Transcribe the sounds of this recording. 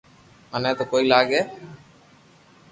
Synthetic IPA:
ənẽːt̪oːkoːiːlaːɡeː

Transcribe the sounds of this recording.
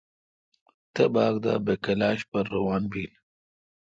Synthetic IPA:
t̪ɐbɑːɡd̪a̰ːbekɐlɑːʃpɐɾːɐwɑːnbiːl

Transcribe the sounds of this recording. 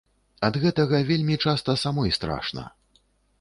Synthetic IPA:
ɐd̪ɣɛt̪ɐɣɐvʲelʲmʲit͡ʂast̪ɐsamɔjst̪ɾa̰ʂnɐ̰

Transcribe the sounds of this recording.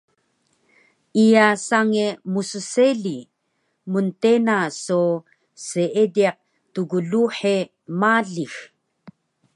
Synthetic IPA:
ijasaŋemususeɮi | muntenaso | seʔediaq̚ | tuɡuɮuħe | maɮix

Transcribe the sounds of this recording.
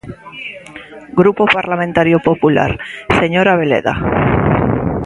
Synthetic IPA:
ɡɾupo̞paɾlamẽnt̪aɾjopo̞pula̰ɾse̞ɲo̞ɾaβ̞e̞le̞̰ða̰

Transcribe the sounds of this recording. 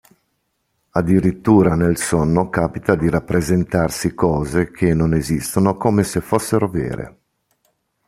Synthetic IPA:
ad̪ːiɾit̪ːuːɾanelsonːokaːpit̪ad̪iɾapːɾezent̪arsikɔːzekʰenːonezist̪onokoːmesefosːeɾovɛ̰ːɾḛ

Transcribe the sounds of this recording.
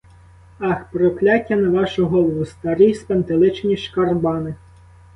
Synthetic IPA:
ɑxpɾɔklʲɑtʲːɐnɐʋɑʃʊɦɔlˠɔʋʊst̪ɐɾijspent̪ɪlˠɪt͡ʃnʲiʃkɐrbɑnɪ

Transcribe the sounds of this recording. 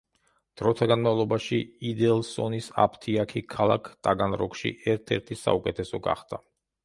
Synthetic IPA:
d̪̥ɾɔt̪ʰaɡanmavlˠɔbaʃiid̪ɛlˠsɔnisa̰pʰt̪ʰiakʰikʰalˠa̰kʰt̪ʼaɡanɾɔkʃḭʔɛɾt̪ʰɛɾt̪ʰisa̰ukʼɛt̪ʰɛsɔɡa̰χd̪ʰa

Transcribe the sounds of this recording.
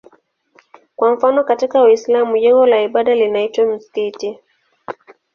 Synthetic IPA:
kwam̩fanɔkatikawislamuʄɛŋɡɔlaiɓaɗalinaitwam̩si̥kiti

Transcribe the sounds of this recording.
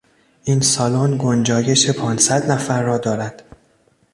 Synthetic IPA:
ʔinsɒloːnɡond͡ʒɒːje̞ʃe̞pʰɒːnsæd̪næfæɾːɒːd̪ɒːɾæd̪̥

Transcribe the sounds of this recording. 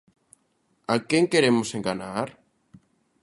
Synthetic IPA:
akeŋkeɾemoseŋɡanaɾ

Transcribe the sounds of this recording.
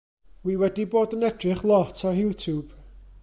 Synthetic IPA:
wiwɛdiboːdənɛdrɨχlˠɔtʰɔjuːtʰub̥

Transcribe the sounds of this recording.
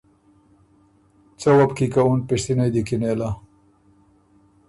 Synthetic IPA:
t͡sawapkikaunpiʂt̪inajd̪ikinela

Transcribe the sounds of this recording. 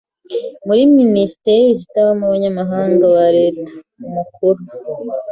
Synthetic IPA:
muɾiminisi̥teɾiis̬itaβamuβaɲamaɦaːŋɡawaɾe̞ːtḁ | umukuɾu

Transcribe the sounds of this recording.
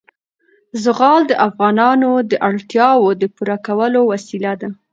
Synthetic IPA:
zəɣɑld̪əʔafɣɑnɑnod̪əʔaɽt̪jɑwod̪əpuɾakawəlowasilad̪a

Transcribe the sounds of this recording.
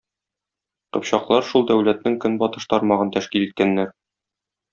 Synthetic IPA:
qɤ̆pɕɑqlˠɑɾʃulˠd̪æwlæt̪̚nɘŋkɵnbɒt̪ɤ̥ʃt̪ɒɾmɑʁɤnt̪æʃkilit̪̚kænːæɾ

